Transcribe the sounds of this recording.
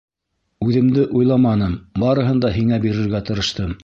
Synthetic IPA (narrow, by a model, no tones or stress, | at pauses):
ʉðɘ̆md̪ɘʔujlˠɑmɑnɤmbɑɾɤ̆ɦɤ̆nd̪ɑɦiŋæbiɾɘ̆ɾɡæt̪ɤ̆ɾɤ̆ʃt̪ɤm